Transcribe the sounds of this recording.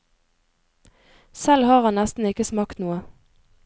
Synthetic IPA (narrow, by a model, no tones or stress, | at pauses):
sɛlhɑːʁhɑnnɛst̪n̩ɪkəsmɑːkt̪nuːə